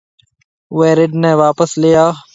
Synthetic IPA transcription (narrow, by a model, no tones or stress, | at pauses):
ʊeːɾɪɖnɛ̃ːʋaːpəslɪjaː